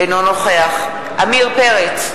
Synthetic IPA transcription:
ejnono̞χeaχ | ʔamiʁpeʁet͡s

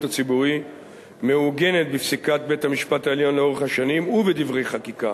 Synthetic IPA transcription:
tat͡sibuʁi | meuɡe̞ne̞t̪̚bifsikat̪̚be̞thamiʃpataeljo̞nleo̞eχhaʃanimubed̪ivʁe̞jχakika

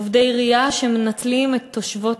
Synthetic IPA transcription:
vdejʁiaʃemenatt͡slimet̪ʰːo̞ʃvo̞t

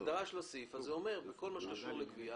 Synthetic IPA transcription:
d̪aʁaʃlosifazeome̞ʁbeko̞lmaʃekaʃuʁlekvia

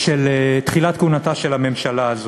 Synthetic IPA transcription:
ʃelet̪χilat̪kunataʃelame̞mʃalaːzo

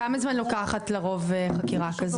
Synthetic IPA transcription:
amazmanlokaχatleʁo̞veχakiʁakaz

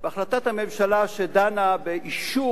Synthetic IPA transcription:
beaχlat̪at̪hamemʃalaʃed̪anabeʔiʃu

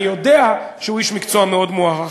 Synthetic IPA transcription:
jode̞aʃeuiʃmikt͡soameo̞d̪moaχa

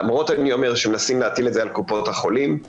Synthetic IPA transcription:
amʁo̞tanio̞meʁʃemenasimleat̪iletzealkupo̞t̪haχo̞lim

